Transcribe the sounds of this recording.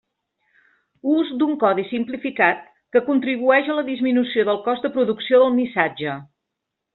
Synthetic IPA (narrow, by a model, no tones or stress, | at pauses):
uzd̪uŋkɔðisimplifikat̪̚ | kəkunt̪ɾiβ̞uɛʃələðizminusioðəlˠkɔzd̪əpɾuðuksioðəlˠmisad͡ʒə